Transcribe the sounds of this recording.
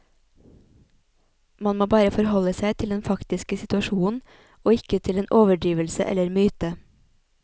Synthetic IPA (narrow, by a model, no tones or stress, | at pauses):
mɑnmoːbɑːɾəfɔɾhɔləsæɪt̪ʰɪld̪ɛnfɑkt̪ɪskəsɪt̪ʉɑʃuːn̩ | oːɪkət̪ʰɪleːnʔoːʋəɖiːʋəlsə̰ʔɛ̰ləɾmyːt̪ə